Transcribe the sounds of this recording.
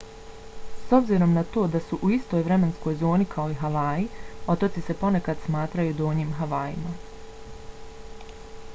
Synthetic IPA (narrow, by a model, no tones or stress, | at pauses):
so̞bziɾo̞mnat̪o̞ːd̪asuʔuist̪o̞jʋɾe̞me̞nsko̞jzo̞ːnikʰao̞iɦaʋaːjio̞t̪ot̪sise̞po̞ne̞kad̪smaːt̪ɾajud̪oːɲiːmɦaʋaːjḭma